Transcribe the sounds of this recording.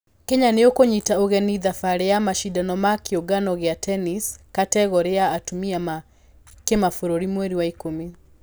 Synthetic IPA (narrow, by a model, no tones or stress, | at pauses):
kɛɲaneokoɲitaoɣɛniðafaɾejamaʃidanɔmakeoɡanɔɣeatʰɛniskatɛɣɔɾejaːtumiama | kemafoɾoɾimweɾiwaikome